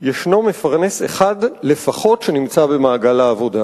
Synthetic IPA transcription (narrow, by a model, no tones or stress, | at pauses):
jeʃno̞mefaʁne̞se̞̰χadle̞faχo̞tʃe̞nimt͡sabe̞maːɡalaːvo̞da